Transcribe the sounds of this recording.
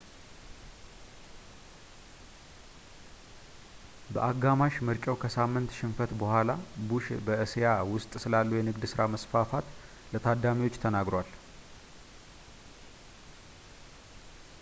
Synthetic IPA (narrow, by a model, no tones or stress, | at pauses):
bəʔaɡːamaʃmɨɾt͡ʃʼəwkʰəsamːɨnt̪ʃɪnfət̪bəhʷalabuʃbəɨsjawʊst̪ʼsɨlalːujɛnɨɡd̪sɨɾaməsfafat̪ | lət̪ʰad̪amiwo̞t͡ʃːt̪ʰənaɡɾowal